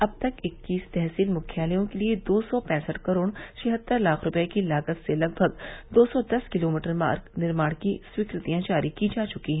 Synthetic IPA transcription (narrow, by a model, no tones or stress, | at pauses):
ɐb̚t̪ɐkɪkːiːst̪ɛɦsiːlmʊkʰjaːlijõkelied̪oːsɔpɛ̃ːsəʈkɐɾoːɽt͡ʃɐɦət̪ːəɾlaːkʰɾʊpɛekilaːɡət̪selɐɡ̚bʱəɡd̪oːsɔd̪ɐskɪloːmiːʈəɾma̰ːɾɡnɪɾmaːɽ̃kiswikɾɪt̪ijãd͡ʒaːɾikid͡ʒaːt͡ʃʊkiɦɛ̃